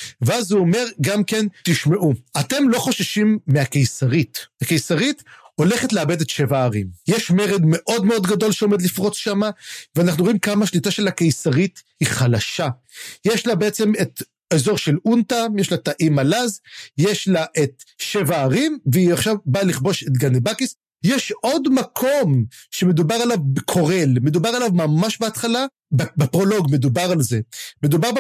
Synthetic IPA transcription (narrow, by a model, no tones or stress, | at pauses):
veazuome̞ʁɡamke̞nt̪iʃme̞ʔuate̞mlo̞χo̞ʃaʃimːeakejsaʁitake̞jsaʁito̞le̞χetleabe̞de̞tʃe̞vaːʁimjeʃmeʁedme̞ʔo̞dmeo̞d̪ɡado̞lʃeo̞med̪lifʁo̞t͡sʃamaveanaχnujo̞imkamaʃlitaʃe̞lakejsaʁithiχalaʃa | jeʃlabeet͡se̞met̪ | ezo̞ʁʃe̞luntajeʃlataʔimalazjeʃlaʔet̪ʃevaːʁimveiaχʃavbaliχbo̞ʃe̞t̪ɡanebakis | jeʃo̞dmakʰo̞mʃeme̞d̪ubaʁalavbekʰo̞ʁe̞lmed̪ubaʁalavmamaʃbeat̪χala | bbepʁo̞lo̞ɡmed̪ubaʁalze̞med̪ubaʁb